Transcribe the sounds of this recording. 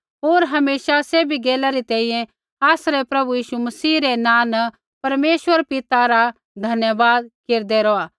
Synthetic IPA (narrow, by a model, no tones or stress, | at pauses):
ɦoːɾɦɐmeːsaseːbʱiɡeːlaɾit̪ɛ̃ːĩjɛ̃ | aːsɾepɾɐbujiːʃumɐsiːɾenãːnə | pɐɾmeːʃʋəɾpɪt̪aɾa | d̪ʱɐnjəʋaːd̪̚keːɾd̪ɛɾɔaː